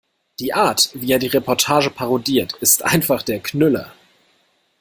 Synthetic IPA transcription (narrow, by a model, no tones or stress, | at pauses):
d̥iːʔaːɐtv̥iːeːɐdiːʁepʰɔɐtʰaːʒəpʰaʁodiːɐtɪstʔa̰ɪnfaχd̥eːɐkʰnʏlɐ̰